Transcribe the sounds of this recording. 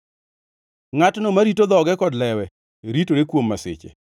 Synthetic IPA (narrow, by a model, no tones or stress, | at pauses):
ŋatnomaɾitod̪ɔɡɛkɔdlɛwɛ | ɾitoɾekwomːasɪ̰t͡ʃḛ